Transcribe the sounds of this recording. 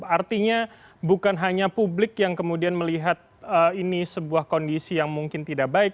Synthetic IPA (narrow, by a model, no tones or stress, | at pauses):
art̪iɲa | bukanɦaɲapublɪkjaŋkəmudianməliɦat̪̚əinisəbuahkondisijaŋmuŋkɪnt̪idaʔbaɪk̚